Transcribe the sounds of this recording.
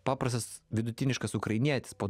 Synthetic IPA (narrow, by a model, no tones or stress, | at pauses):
pɑːpɾɐs̬t̪ɐsʋʲɪd̪ʊt̪ʲɪnʲɪʃkɐsʊkɾɐɪnʲiɛt̪ʲɪ̥spoː